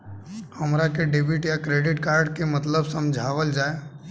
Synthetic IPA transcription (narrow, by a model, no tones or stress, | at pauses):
hɐmɾakeɖebɪʈjakɾeːɖɪʈkaːɾɖkemɐt̪ləbsɐ̃md͡ʒʱaːʋəld͡ʒaːe